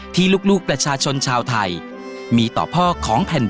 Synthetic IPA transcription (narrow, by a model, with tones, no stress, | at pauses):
t̪ʰiː˥˩luː˥˩k̚luː˥˩k̚pɾa˧t͡ɕʰaː˧t͡ɕʰo˧nt͡ɕʰaː˧wt̪ʰa˧j | miː˧t̪ɔ̰ː˨˩pʰɔː˥˩kʰɔː˩˦ŋpʰɛ˨˩n